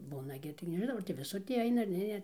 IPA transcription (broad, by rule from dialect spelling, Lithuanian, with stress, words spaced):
ˈbuːnɐ ɡʲɪ tɐɪɡʲɪ nʲɛʒʲɪˈnɐʊ ɐr tʲɪ ʋʲɪˈsʊr ˈtʲiː ˈɐɪnɐ ɐr ˈnʲɛ nʲɛ